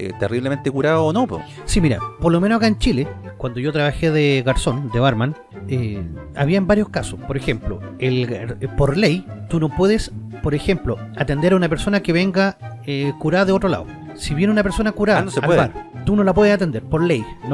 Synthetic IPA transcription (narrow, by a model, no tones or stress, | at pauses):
ḛt̪eriβlement̪ekuɾaðaonopo̰ | simiɾa̰poɾlomenosakaent͡ʃilekwand̪oʝot̪ɾaβaxeðeɣaɾso̞nd̪eβaɾman | ea̰βiaembaɾjo̞skasospoɾexe̞mplo̰elɣɾpoɾlejt̪uno̞pwe̞ðespoɾexe̞mploat̪e̞nd̪eɾaunapeɾso̞nakeβe̞ŋɡa | ekuɾaðaðeo̞t̪ɾo̞la̰o̰ | siβjenunapeɾso̞nakuɾaanosepweaɾt̪uno̞lap̬we̞ðesat̪e̞nd̪eɾpoɾlejno